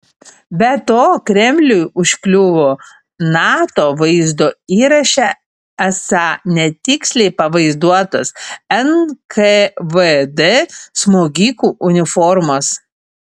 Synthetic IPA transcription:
bʲɛt̪oːkɾʲɛmʲlʲʊjʊʃʲkʲlʲʊʋoː | nɑːt̪oːʋɐɪzd̪oːiːɾɐʃʲɛ | æsɑːnʲɛt̪ʲɪksʲlʲɛɪpɐʋɐɪzd̪uɔt̪ɐsɛnkʰeʋəd̪ɛsmoːɡʲiːkuːʔʊnʲɪfɔɾmos

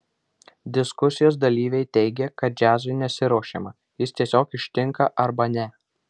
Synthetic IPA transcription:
d̪ʲɪskʊsʲɪjoːs̬d̪ɐlʲiːʋʲɛɪt̪ʲɛɪɡʲɛkɐt̪̚d͡ʒʲæːzʲʋʲɪnʲɛsʲɪɾoːʃʲḛːmɐ | jɪst̪ʲiɛsʲoːkɪʃʲt̪ʲɪŋkɐʔɐɾbɐnʲɛ

